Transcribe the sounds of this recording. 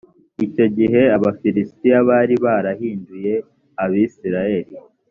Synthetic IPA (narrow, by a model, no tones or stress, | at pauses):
ico̞ɟiɦe̞aβafiɾistijaβaːɾiβaːɾahiːnduje̞ | aβisiɾaje̞ɾi